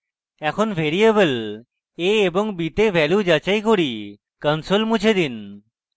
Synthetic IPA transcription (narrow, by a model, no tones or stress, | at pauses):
ɛkʰonbʱeɾiebəl | eeboŋbit̪ebʱɛljud͡ʑat͡ɕajkoɾi | kənsolmut͡ɕʰed̪in